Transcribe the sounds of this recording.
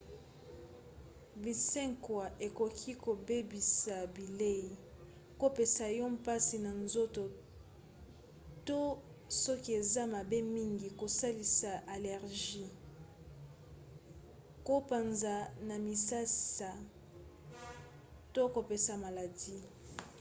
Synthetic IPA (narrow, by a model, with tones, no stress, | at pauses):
bi˨sɛ˦ŋkwa˨ʔe˨ko˨kʰi˦ko˨be˦bi˨sa˨bi˨le˦i˨ | ko˦pe˨sa˨jɔ˦mpa˦si˨na˨nzo˦to˨ | to˦ | sɔ˦ki˦e˨za˦ma˨be˦mi˦ŋɡi˨ko˨sa˦li˨sa˨ʔa˨lɛ˨ʁʒi˦ | ko˦pa˨nza˨na˨mi˨sa˦sa˨ | to˦ko˨pe˨sa˨ma˨la˨di˦